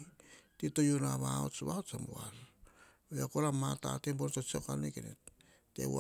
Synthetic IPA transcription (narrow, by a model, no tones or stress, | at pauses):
titojonaβao̰t͡ʃβaot͡ʃamual | eakolamata̰tembontot͡ʃekanekenḛtː | ḛ